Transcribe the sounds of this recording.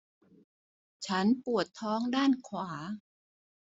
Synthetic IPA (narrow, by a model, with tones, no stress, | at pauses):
t͡ɕʰa˦˥npu˨˩ət̪ʰːɔː˦˥ŋdaː˥˩nkʰwaː˩˦